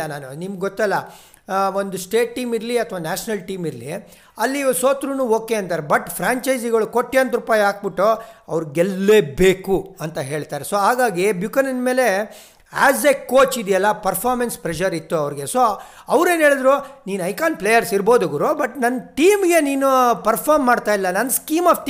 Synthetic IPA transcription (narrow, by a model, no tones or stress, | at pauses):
ɐnaːnunimɐɡɡɔt̪ːɐlːɐ | ond̪usʈe̞ːʈːiːmiɾliɐt̪ʰɐʋaːnaːʂɐnɐlʈiːmiɾlḭ | ɐlːisoːt̪ɾunuːoːke̞ɐnt̪aːɾebɐʈpʰɾaːɲt͡ʃɐjd͡ʒiɡɐɭukoʈːijont̪ɾupaːjaːk̚biʈːuɐ̰ʋɾiɡɛlːeːbe̞ːkuɐnt̪ɐɦe̞ːɭt̪aːɾesoːɦaːɡaːɡibjukɐnɐnme̞ːle̞ | aːzekkːoːt͡ʃid̪ijɐlːɐpɐɾpʰaːɾmenspɾɛʃɐɾit̪ːuɐʋɾɡe̞so | ɐʋɾe̞ːnɦe̞ːɭd̪ɾuniːnɐjkaːn̚plejɐɾsiɾbo̞ːd̪ɐʋɐɾubɐʈnɐnːʈiːmɡe̞niːnupɐɾpʰaːɾmːaːɖt̪aːjilːɐnɐnːskiːmaːfʈː